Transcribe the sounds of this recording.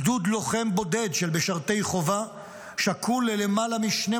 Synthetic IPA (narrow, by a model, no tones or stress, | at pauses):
d̪ud̪lo̞χe̞mbo̞d̪e̞d̪ʃelbeʃaʁt̪e̞jχo̞va | ʃakʰulelemalamiʃne